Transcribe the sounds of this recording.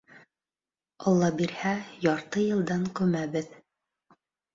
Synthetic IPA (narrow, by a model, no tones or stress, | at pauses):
ɑlˠːɑbiɾhæjɑɾt̪ɤjɤ̆lˠd̪ɑŋkʉmæβɘð